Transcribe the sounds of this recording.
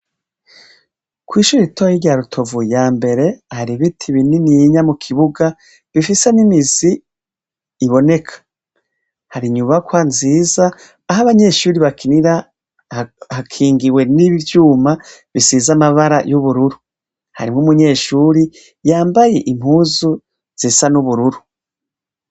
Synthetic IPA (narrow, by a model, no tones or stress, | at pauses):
kwiːʃuːɾitojiɾɟaːɾutʰo̞vujaːmbe̞ɾe̞haɾiβitʰiβininiɲamukʰiβuɡa | βifisenimiziː | βo̞ne̞kʰḁ | haɾiɲuβakwanziːzaː | ɦaβaɲe̞ːʃuːɾiβakʰiniɾa | hakʰiːŋɡiwe̞niβvjuːmaβisizamaβaɾa̰juβuɾuɾu | ha̰ɾimŋumuɲe̞ːʃuɾi | jaːmbajeʔim̥huːzu | z̥isanuβuɾuɾu